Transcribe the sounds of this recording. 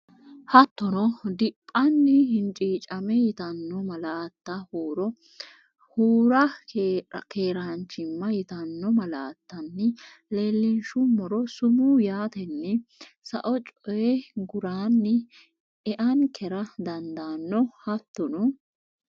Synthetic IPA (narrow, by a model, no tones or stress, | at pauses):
hɐt̪ːɔnɔd̪ɪpʼːɐnːɪhɪnt͡ʃʼiːt͡ʃʼɐmɛjɪt̪ɐnːɔmɐlaːt̪ːɐhuːɾɔ | huːɾɐ̰ | keːɾant͡ʃːɪmːɐjɪt̪ɐnːɔmɐlaːt̪ːɐnːɪ | leːlːɪnʃʊmɔɾɔsʊmujaːt̪ɛnːɛ | sɐ̰ʔɔt͡ʃʼɔjɛɡʊɾaːnːɪ | ɛʔɐnkʰɛɾɐd̪ɐnd̪anːɔhɐt̪ːɔnɔ